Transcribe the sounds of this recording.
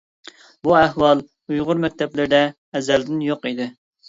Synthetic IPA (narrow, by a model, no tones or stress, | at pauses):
buɛɦwɑlˠ | ujʁʊɾmɛk̚ʲt̪ʰɛplɪɾɪd̪ɛː | zɛld̪ɪnjoqid̪ɪ